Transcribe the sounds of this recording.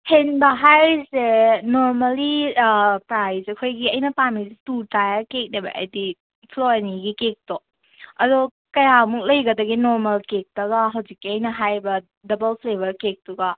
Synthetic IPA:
henbɐɦajzenoɾmɐli | pɾajzɐkʰojɡiɐjnɐpamizetutajakek̚nebɐ̰ʔɐ̰jdi | pʰloaniɡikek̚tɔ | ɐdɔ | kɐjamuk̚lɐjɡɐdɐɡinoɾmɐlkek̚tɐɡaɦɐwzik̚ːiɐjnɐɦajbɐ | dɐbɐlpʰlebɐɾkek̚tuɡa

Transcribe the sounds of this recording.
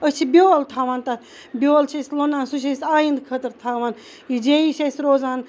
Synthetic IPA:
ət͡ʃʰibʲoːlt̪ʰaːʋaːnt̪ɐt̪ | bʲjoːlt͡ʃʰɐsʲlonaːnsuʃ̬ɐsʲaːjind̪kʰət̪ɨɾt̪ʰaːʋan | jid͡ʒeiʃɐsʲɾoːzaːn

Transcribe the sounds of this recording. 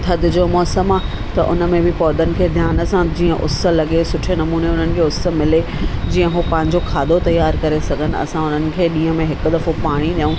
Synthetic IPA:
t̪ʰɐd̪ɪ̆d͡ʑoːmɔːsəmaː | t̪ɐʔʊ̰nə̆mẽbɪpɔːd̪ʱənɪ̆kʰeːd̪ʱjaːnə̆sãd͡ʑiːə̃ʔʊ̰sə̆lɐɠesʊʈʰenɐmuːneʊn̤ənɪ̆kʰeːʊsə̆mɪled͡ʑĩːə̃ɦopɐ̃ɦɪ̃ɲd͡ʑokʰaːd̪ʱot̪ɐjaːɾkɐɾesɐɡʱənɪ̆ɐ̰sãʊn̤ənɪ̆kʰeːɗĩːɦə̃mẽɦɪkʊ̆d̪ɐfopaːɽ̃iɗijũ

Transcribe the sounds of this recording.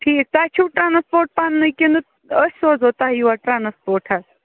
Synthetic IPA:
ʈʰiːk̚t̪at͡ʃʰuːʈɾanspoːɾʈ̚panːɨkʲinu | əsoːd͡zɦot̪aɦjiʋaʈɾanspoːɾʈʰɦas

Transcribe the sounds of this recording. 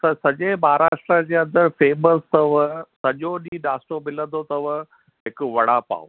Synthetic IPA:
sɐsɐʄemaːaɾaːʃʈɾəd͡ʑeːɐ̃nd̪əɾfeːməst̪ɐʋəsɐʄoɗĩɗaːsʈomɪlə̃nd̪ot̪ɐʋə | ɦɪkʊʋɐɽ̤apa̰ːo̰

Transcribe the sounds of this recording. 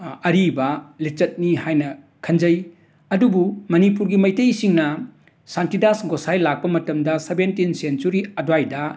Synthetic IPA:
ɐɾibɐlet͡ʃɐt̚nihajnɐ | kʰɐnd͡ʒɐj | ɐdubumɐnipuɾɡimɐjtejsiŋnɐ | santidasɡosajlak̚pɐmɐtɐmdɐsebentinsent͡ʃuɾiɐdwajdɐ

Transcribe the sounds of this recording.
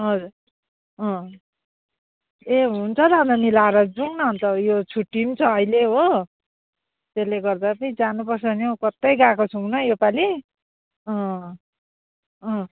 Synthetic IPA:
ɦʌd͡zuɾ | ʌ̃ | eɦunt͡sʰʌd̪ʌɦʌnd̪ʌmilaɾʌd͡zuŋnʌɦunt̪ʌjot͡sʰuʈːimt͡sʰʌʌjleɦo | t̪eleɡʌrd̪apʌnid͡zanupʌrsʌʌnokʌt̪ːʌjɡakot͡sʰuŋnʌjopali | ʌ̃ | ʌ̃

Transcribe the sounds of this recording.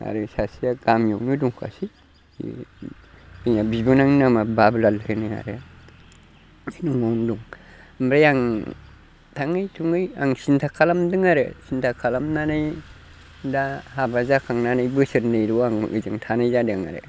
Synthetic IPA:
a̰ɾɯsasijaɡ̥amjɔk̚nɯduŋkʰa̰si | ḭ | binabibɯnaŋnamabablalhɯnɯa̰ɾɯ | sinumawnduŋ | mbɾajaŋ | tʰaŋɯjtʰuŋɯja̰ŋsintʰakʰalamdɯŋaɾɯ̰sintʰakʰalamnanɯj | dahabazakʰaŋnanɯjbɯsɯɾnɯjɾuaŋɯ̰zɯŋtʰanajzadɯŋa̰ɾɯ̰

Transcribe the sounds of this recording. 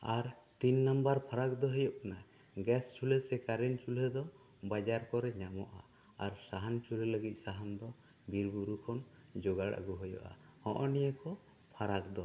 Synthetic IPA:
aɾ | t̪inːambaɾpʰaɾak̚d̪ɔɦɔjɔʔkana | ɡɛst͡ʃʰulɛsɛkaɾɛnt͡ʃʰulɛd̪ɔ | bad͡ʒaɾkɔɾɛɲamɔʔa̰ː | ɾsaɦant͡ʃʰulɛləɡit̪̚ˀsaɦand̪ɔ | biɾbuɾukʰɔn | d͡ʒɔɡaɽa̰ɡuɦɔjɔ̰ʔa̰hɔ̰̃ʔɔnijəkɔ | pʰaɾakd̪ɔ

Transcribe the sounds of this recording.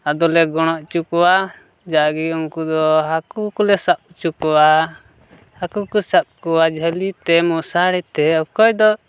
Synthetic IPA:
ad̪ɔlɛɡɔɽ̃ɔʔt͡ʃukɔwa | d͡ʒaʔɡiuŋkud̪ɔɦakukulɛsap̚t͡ʃukɔwa | hakukusap̚kɔwad͡ʒʱəlit̪ɛmusaɽit̪ɛɔkɔjd̪ɔ

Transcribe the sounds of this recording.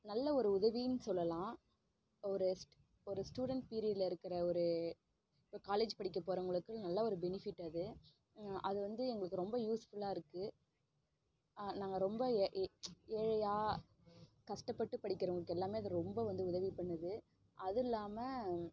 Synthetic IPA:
nɐlːɐɔɾɯʊðɐʋinːɯsɔlːɐlãː | ɔɾɯs | ɔɾɯsʈuːɽɐɳʈ̚piːɾɪd̪lɐɪɾɯkːɪɾɐɔɾɯ | ɪpːoːkaːleːd͡ʒpɐɽɪkːɐpːoːɾɐŋɡɐɭɯkːɯnɐlːɐɔɾɯbɛnɪfɪʈːɐðɯ | ʔɐðɯʋɐnd̪ɯɛŋɡɐɭɯkːɯɾɔmbɐjuːsfʊlaːɪɾɯkːɯ | naːŋɡɐɾɔmbɐʔeːɻɐjaː | kɐʂʈɐpːɐʈːɯpɐɽɪkʲːɐɾɐŋɐɭɯkːɛlːaːmeːɐðɐɾɔmbɐʋɐnd̪ɯʊðɐʋipɐɳːɐðɯ | ʔɐðɪlːaːmɐ

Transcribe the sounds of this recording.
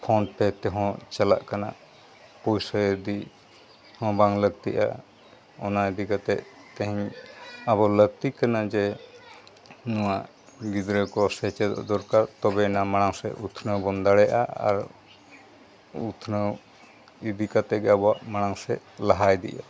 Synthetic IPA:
pʰɔɳpɛt̪ɛɦɔ̃t͡ʃala̰ʔkana̰ | pɔjsəd̪i | hɔ̃baŋləɡ̚t̪iʔa̰ | ɔnaid̪ikat̪ɛʔt̪ɛ̃ɦiɲabɔləɡ̚t̪iʔkanad͡ʒɛ | nɔwaʔ | ɡid̪ɾɛkɔsɛt͡ʃɛd̪ɔ̰ʔd̪ɔɾkaɾt̪ɔbɛnamaɽ̃aŋsɛ̰ʔut̪ʰnəwbɔnd̪aɽɛʔa̰a̰ɾ | ut̪ʰnəw | id̪ikat̪ɛɡabɔaʔmaɽ̃aŋsɛ | laɦajd̪ḭʔa

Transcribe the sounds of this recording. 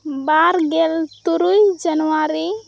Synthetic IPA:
baɾɡɛlt̪uɾujd͡ʒənwaɾi

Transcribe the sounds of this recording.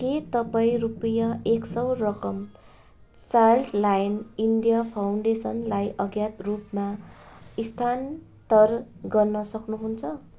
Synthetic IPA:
ket̪ʌpaĩrupʌjʌeksʌwrʌkʌm | t͡sarʈlajniɳɖijapʰawɳɖesʌnlajʔʌɡjat̪rupmaist̪ʰan | t̪ʌrɡʌrnʌsʌknuɦunt͡sʰʌ

